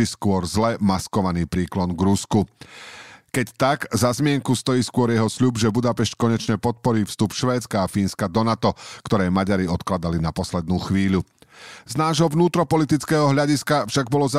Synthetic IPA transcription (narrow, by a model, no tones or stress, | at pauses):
iskʊɔɾzlɛmaskɔʋaniːpɾiːklɔnɡɾusku | kɛct̪aɡzazmɪɛŋkust̪ɔjiːskʊɔɾjɛɦɔsʎubʒɛbud̪apɛʃckɔɲɛt͡ʃɲɛpɔt̪̚pɔɾiːfst̪upʃʋɛːt͡skaːfiːnskad̪ɔnat̪ɔkt̪ɔɾɛːjmaɟaɾiɔt̪klad̪alinapɔslɛd̪̚nuːxʋiːʎuznaːʒɦɔvnuːt̪ɾɔpɔlit̪it͡skɛːɦɔɦʎaɟiskafʃaɡ̚bɔlɔz